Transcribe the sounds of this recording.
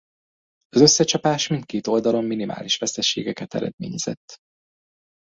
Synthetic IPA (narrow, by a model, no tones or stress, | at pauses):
ɒzø̞sːɛt͡ʃɒpaːʃmint̪̚keːt̪o̞ld̪ɒlo̞mːinima̰ːliʃʋɛst̪ɛʃḛːɡɛkɛt̪ɛ̰ɾɛ̰d̪mḛːɲɛz̥ɛ̰t̪ː